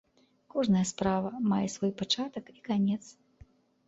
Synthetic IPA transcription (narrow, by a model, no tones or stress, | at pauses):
kɔʐnɐjɐspɾavɐmajɛsvɔjpat͡ʂat̪ɐkikanʲɛt̪s